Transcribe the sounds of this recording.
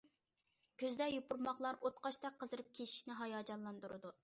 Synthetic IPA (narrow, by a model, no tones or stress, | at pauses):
kʲʰøzd̪ɛjupuɾmɑχlˠɑɾʔot̪qɑʃt̪ɛqʰːəzɨɾɨp̚kʲʰei̥ʃnɪɦɑjɑːd͡ʒɑnlˠɑnd̪uɾɨ̰d̪u